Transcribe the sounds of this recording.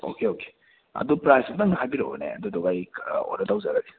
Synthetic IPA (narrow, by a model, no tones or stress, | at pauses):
o̰keoke̥ | ɐ̰dupɾajstaŋɐɦajbiɾo̰bnḛɐ̰dudoɡajo̰ɾɐdawzaɾadi